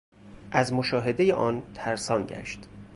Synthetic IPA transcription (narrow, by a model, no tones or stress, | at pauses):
ʔæzmoʃɒːɦe̞d̪ejeʔɒːnt̪ʰæɾsɒːnɟæ̰ʃt̪